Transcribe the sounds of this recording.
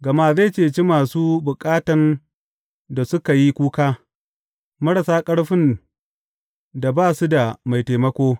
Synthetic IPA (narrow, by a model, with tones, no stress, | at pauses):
ɡɐ˨ma˦za˦˨t͡ʃeː˦˨t͡ʃi˦maː˨suː˦bʊ˨kʼaː˦tɐ˨n | da˨sʊ˦ka˨ji˦kʷuː˦kaː˦ | mɐ˦ɽɐ˨saː˦kʼɐ˦ɽɸɪ˦n | da˨baː˦˨su˦da˨ma˨jteː˨mɐ˦kʷoː˦